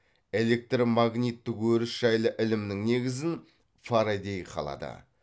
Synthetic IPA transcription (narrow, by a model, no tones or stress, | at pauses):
e̞le̞k̚t̪rmɑɡnʲijt̪ːɪkwɵɾɪsʒ̥ɑjlˠəʔɪlɪmnɪŋne̞ɡʲɪzɪn | faɾad̪ʲe̞jqʰɑ̰lˠɑ̰d̪ə̰